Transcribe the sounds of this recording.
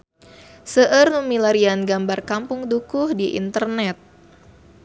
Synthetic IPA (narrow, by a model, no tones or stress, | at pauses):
səʔərnumilaɾianɡambarkampʊŋdukʊhdiʔḭnt̪ərnɛt̪̚